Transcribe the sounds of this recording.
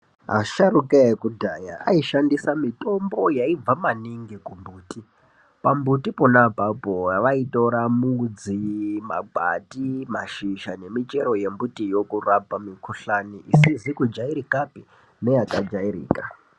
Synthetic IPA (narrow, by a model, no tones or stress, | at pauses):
a̰ʃaɾukaekudʱaːjaa̰iʃandisamito̞mbo̞jaib͡vamaniŋɡikumbuːti | pambutiponabʱabʱoaʋaito̞ɾamud͡zima̰ɡʱa̰timaʃiʃane̞mit͡ʃe̞ɾo̞je̞mbutijo̞kurabamikʰuɬaniʔisizikud͡ʒaiɾikapi | ne̞jakad͡ʒaiɾḭːka